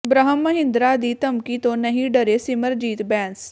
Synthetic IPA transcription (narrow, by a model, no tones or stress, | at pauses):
bɾəɦəmːɐɦɪ̃nd̪ɾad̪iːt̪ɐmkit̪õːnɐɦĩɖəɾesɪməɾd͡ʒiːt̪bɛ̃ːns